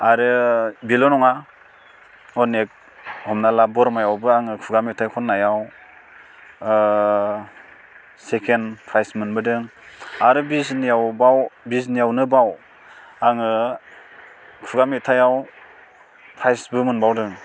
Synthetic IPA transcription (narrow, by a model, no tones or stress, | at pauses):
aɾɯbilɔnɔŋa | ɔnek̚ | hɔmnalabɔɾmajawbɯaŋɯkʰuɡamitʰajkʰɔnːajaw | sekʰenpʰɾajsmɯnbɯdɯŋ | aɾɯbisnijawbawbis̬nijawnɯbaw | aŋɯ | kʰuɡamitʰajaw | pʰɾajsbɯmɯnbawdɯŋ